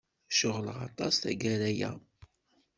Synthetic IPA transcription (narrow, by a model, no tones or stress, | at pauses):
ʃʊʁləʁɑ̰t̪ˤɑsθæ̰ɡæɾæjæ̰